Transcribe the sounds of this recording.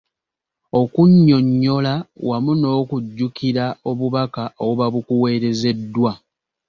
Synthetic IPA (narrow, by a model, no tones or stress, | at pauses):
o̞kuɲːo̞ɲːo̞lawamuno̞ːkuɟːukiɾao̞βuβakaʔowoβaβukuwe̞ːɾe̞ze̞dːwa